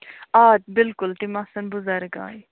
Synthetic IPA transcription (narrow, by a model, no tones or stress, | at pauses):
aːt̪̚bɪlkʊlt̪imɐsənbʊzəɾɡa̰ːj